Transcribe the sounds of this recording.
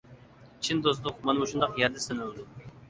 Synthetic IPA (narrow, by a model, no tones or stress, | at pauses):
t͡ʃʰind̪ozlˠʊqmɑnmuʃund̪ɑqjɛɾd̪ɛsønylˠd̪u